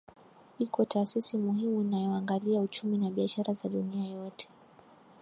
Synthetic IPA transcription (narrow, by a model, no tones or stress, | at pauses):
hikɔtʰaːsisimuhimunajɔaŋɡaliaut͡ʃuminaɓiaʃaɾʔazaɗuniajɔtʰɛ̥